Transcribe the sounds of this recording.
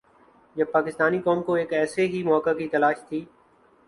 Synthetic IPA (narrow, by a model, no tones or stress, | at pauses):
jɐpaːkɪst̪aːnikɔːmkoeːkɛːseɦimɔːkakit̪ɐlaːʃt̪ʰiː